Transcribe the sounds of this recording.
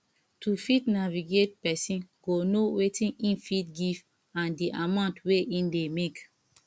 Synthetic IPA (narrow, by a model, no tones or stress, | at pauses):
tufitnaviɡet̚pɛsĩnɡonowetĩnĩnfitɡiv | ãndiʔamãʊ̃ntweʔĩndemek